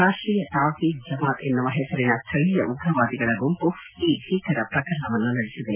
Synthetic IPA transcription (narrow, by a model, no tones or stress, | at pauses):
aːʂʈɾiːjɐt̪aːkiːd͡ʒɐmaːt̪enːɐʋɐɦɛːsɐɾinɐst̪ʰɐɭijɐʔuɡɾɐʋaːd̪iɡɐɭɐɡompuiːʃiːkʰɐɾɐpɾɐkɐɾɳɐʋɐnːunɐɭisid̪e